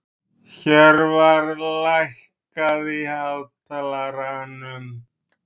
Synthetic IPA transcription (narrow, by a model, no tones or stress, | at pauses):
çɛɾvaɾlajh | kaðihalt̪alaɾanʏm